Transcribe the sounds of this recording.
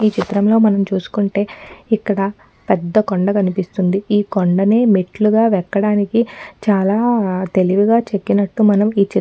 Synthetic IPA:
iːt͡ʃit̪ɾɐmlo̞ːmɐnɐmt͡ʃuːsu̥kuɳʈe̞ːikːɐɽɐ | pɛd̪ːɐkoɳɖɐkɐnipist̪und̪iiːkoɳɖɐne̞ːmiʈluɡaːʋɛkːɐɽaːnikit͡ʃaːlaːt̪e̞liʋiɡaːt͡ʃe̞kːinɐʈːumɐnɐmiːt͡ʃi

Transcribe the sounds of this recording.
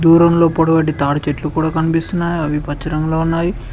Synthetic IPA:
d̪uːɾɐmlo̞ːpoɽɐbɐʈ̬ːit̪aːɽɐt͡ʃeʈlukuːɽaːkɐnipist̪unːaːjiɐʋipɐt͡ʃːɐɾɐmlo̞ːunːaːji

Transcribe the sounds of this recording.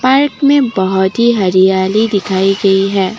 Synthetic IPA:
paːɾkmẽbɐɦʊt̪ɦiɦɐɾijaːlid̪ɪkʰaːiɡɐiɦɛː

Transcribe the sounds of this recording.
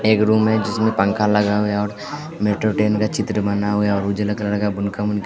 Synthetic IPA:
eːkɾuːmɦɛd͡ʒɪsmẽpə̃ŋkʰalɐɡaɦuaɔːɾ | meːʈɾoʈeːnkat͡ʃɪt̪ɾəmənaɦʊaɔːɾud͡ʒələklalɐɡabʊnkamʊnk

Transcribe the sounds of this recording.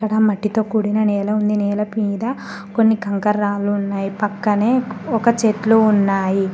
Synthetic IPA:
ɐɽɐmɐʈːit̪o̞ːkuːɽinɐnɛːlɐund̪inɛːlɐpiːd̪ɐ | ko̞nːikɐŋkɐɾːaːluːnːaːjipɐkːɐneːɔkɐt͡ʃeːt̪lounːaːji

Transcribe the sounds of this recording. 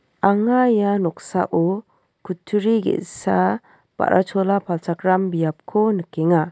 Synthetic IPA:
aŋajanɔk̚sa̰ʔɔ | kʰutʰuɾiɡḛʔsa | b̥a̰ɾʔa̰t͡ʃʰɔlapʰalt͡ʃʰakɾambijap̚kʰɔnɯkeŋa

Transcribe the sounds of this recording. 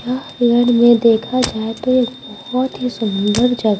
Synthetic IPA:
aː | ɾəɽmẽd̪eːkʰad͡ʒaːet̪oeːkbɔhɔt̪ɦisʊmʊ̃nd̪əɾd͡ʒɐɡ

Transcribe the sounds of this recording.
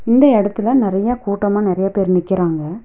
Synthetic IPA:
ɪnd̪ɐɛɽɐt̪ːɯlɐnɪɾɐjaːkuːʈːɐmaːnɪɾɐjaːpeːɾnɪkːɪɾaːŋɡɐ

